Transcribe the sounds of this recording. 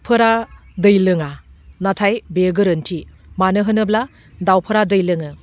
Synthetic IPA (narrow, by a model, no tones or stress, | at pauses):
pʰɯɾadɯjlɯŋanatʰajbeɡɯɾɯntʰi | manɯɦɯnɯbla | dawpʰəɾadɯjlɯŋɯ